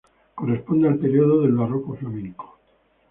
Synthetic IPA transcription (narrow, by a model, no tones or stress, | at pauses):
korespond̪ealpeɾioðoðe̞lβarokoflamẽŋko̥